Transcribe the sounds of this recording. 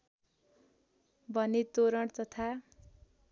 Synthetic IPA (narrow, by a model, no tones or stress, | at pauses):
bʱʌnet̪oɾʌɳt̪ʌt̪ʰa